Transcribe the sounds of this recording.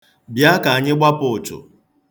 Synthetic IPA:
bja˦ka˨a˨ɲɪ˦ɡ͡bʷa˦pʊ˨t͡ʃʊ̰˨

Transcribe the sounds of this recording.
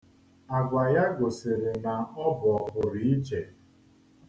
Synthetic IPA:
a˨ɡʷa˨ja˦ɡo˨sɪ˨ɾe˨na˨ɔ˦bɔ˨pʊ˨ɾi˨˦i˦d͡ʒe˨

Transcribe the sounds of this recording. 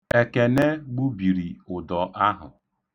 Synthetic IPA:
e˨ke˨ne˦ɡ͡bu˦bi˨ɾi˨ʊ˨dɔ˨ʔa˦ɦʊ̰˨

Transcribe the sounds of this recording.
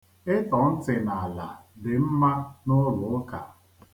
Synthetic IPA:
ɪ˦tɔ˨n̩˦tɪ˨na˨a˨la̰˨dɪ˨m̩˦ma˦nʊ˦lʊ˨˦ka̰˨

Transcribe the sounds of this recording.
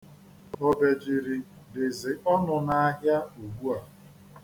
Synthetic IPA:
o˦be˨d͡ʒɪ˨ɾɪ˨ | de˨ze˨ʔɔ˦nʊ˨na˦a˦ɦja˦u˨ɡ͡bu˦a˨

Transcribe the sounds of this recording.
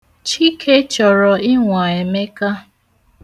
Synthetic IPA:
t͡ʃi˦kʰe˦t͡ʃɔ˨ɾɔ˨ɪ˦ŋʷa˨e˨me˦ka˦

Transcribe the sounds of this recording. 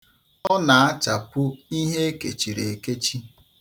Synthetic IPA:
ɔ˦na˨a˦t͡ʃa˨pʊ˦i˦ɦe˦kḛ˨t͡ʃi˨ɾe˨e˨ke˦t͡ʃi˦

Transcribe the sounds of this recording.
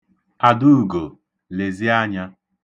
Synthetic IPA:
a˨du˦u˨ɡo˨ | le˨zi˦a˦ɲa˦

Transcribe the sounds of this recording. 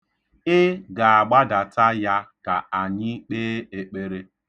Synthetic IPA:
ɪ˦ɡa˨a˨ɡ͡ba˦da˨ta˦ja˦ka˨a˨ɲɪ˦k͡peː˦e˨k͡pe˦ɾe˦

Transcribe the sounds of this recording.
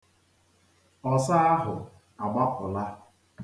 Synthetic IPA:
ɔ˨sa˦a˦ɦʊ˨ | a˨ɡ͡ba˦kʊ˨la˦

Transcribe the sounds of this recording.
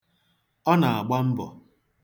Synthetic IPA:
ɔ˦na˨a˨ɡ͡ba˦m̩˦bɔ̰˨

